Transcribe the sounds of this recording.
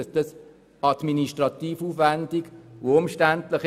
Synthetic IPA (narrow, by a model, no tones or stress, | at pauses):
sd̥̪ɑs | ɑd̪miniʃtʁɑt̪iːfuːfʋændikʋoʊmʃtæntlɪχ